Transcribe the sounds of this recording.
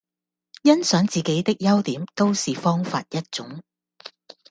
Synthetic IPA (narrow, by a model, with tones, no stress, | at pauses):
jɐ˥nsœː˨˥ŋt͡siː˨˩ke˨˥jt̪ɪ˥k̚jɐ˥wt̪iː˨˥mt̪o˥wsiː˨fɔː˥ŋfa̰ː˧t̚jɐ˥t̚t͡ʃʊ˨˥ŋ